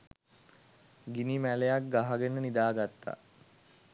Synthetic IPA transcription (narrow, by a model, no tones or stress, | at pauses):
ɡinimælejak̚ɡaɦaɡenənid̪aːɡat̪ːa̰